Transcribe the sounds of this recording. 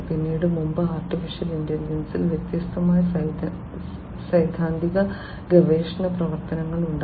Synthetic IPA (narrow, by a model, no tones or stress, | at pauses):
pinːiːɽɨmumbɐaːrʈifiʂɐlindelid͡ʑɐnsilʋjet̪jɐst̪ɐmaːjɐ | sɐjd̪ʱaːnd̪ʱiɣɐ | ɡeʋeːʂɐɳɐprɐʋɐrt̪ɐnɐŋːɐɭuɳɖ